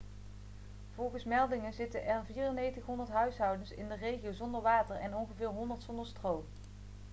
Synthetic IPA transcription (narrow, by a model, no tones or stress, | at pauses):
v̥ɔlˠɣəsmɛlˠdɪŋənzɪtənʔɛrviːrənejtəχɦɔndəɹtɦœɥsɦɑwdənsɪ̰ndərejχiowzɔndəɹʋaːtəɹɛnɔnχəvɪːɹɦɔndəɹtsɔndəɹstrow